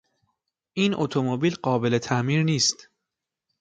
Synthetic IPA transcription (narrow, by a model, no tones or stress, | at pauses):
ʔiːnʔot̪ʰomobiːlɢɒːbe̞let̪ʰæʔmiːɾniːst̪